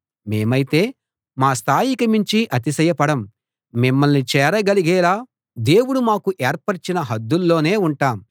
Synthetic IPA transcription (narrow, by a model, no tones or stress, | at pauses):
me̞ːmɐjit̪e̞ː | maːst̪ʰaːjikɐmiɲt͡ʃiʔɐt̪̬isɐjɐpɐɽɐm | mimːɐlnit͡ʃɛːɾɐɡɐliɡɛːlaː | d̪e̞ːwuɽumaːkuʔeːɾpɐɾt͡ʃinɐɦɐd̪ːulːo̞ːne̞ːuɳʈaːm